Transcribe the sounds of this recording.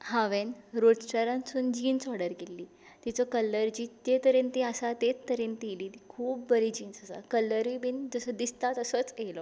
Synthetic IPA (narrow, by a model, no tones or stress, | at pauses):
hãʋenɾoɖt͡ɕaɾãnt͡suːnd͡ʑiːnsɔɽəɾkelːiː | t̪it͡sɔkəlːəɾd͡ʑiːt̪et̪əɾent̪iasat̪et̪ːəɾent̪iliːt̪ikʰuːb̚ːəɾid͡ʑiːnsəsa̰kələɾʋibiːnd͡zəsəd̪ist̪at̪əsɔt͡selɔ